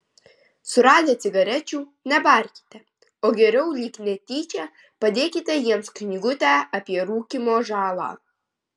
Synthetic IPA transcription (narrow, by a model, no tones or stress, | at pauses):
sʊɾɑːd̪ʲeːt̪sʲɪɡɐɾʲɛt͡ʃʲuːnʲɛbɑˑɾʲkʲɪ̥t̪ʲɛ | oːɡʲɛɾʲɛʊlʲiːknʲɛt̪ʲiːt͡ʃʲɛ | pɐd̪ʲeːkʲɪt̪ʲɛjiɛmsknʲɪɡʊt̪ʲæʔɐpʲiɛɾuːkʲimoːʒɑːlˠɑ̰ː